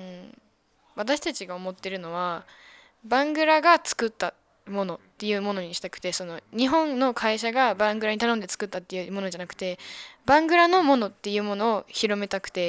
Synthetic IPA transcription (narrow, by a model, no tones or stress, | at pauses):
ɯ̟̃ɴ | βat̪aɕi̥t̪at͡ɕiɡao̞mo̞t̪ːe̞ɾɯ̟no̞βa | bãŋɡɯ̟ɾaɡat͡sɨ̥kɯ̟t̪ːa | mo̞no̞t̪ːe̞jɯ̟ːmo̞no̞ɲ̟iɕi̥t̪akɯ̟̥t̪e̞so̞no̞ɲ̟iɦõ̞nːo̞kʰaiɕaɡabãŋɡɯ̟ɾaɲ̟it̪anond̪e̞t͡sɨ̥kɯ̟t̪ːat̪ːe̞jɯ̟mo̞no̞d͡ʑanakɯ̟̥t̪e̞bãŋɡɯ̟ɾano̞mo̞no̞t̪ːe̞jɯ̟ːmo̞no̞ːçiɾo̞me̞t̪akɯ̟̥t̪e̞